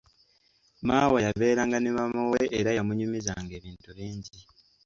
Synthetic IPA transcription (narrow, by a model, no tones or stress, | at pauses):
maːwajaβe̞ːɾaːŋɡanemamuweʔːɾajamuɲumizaŋɡe̞ːβiːntuβeːɲɟi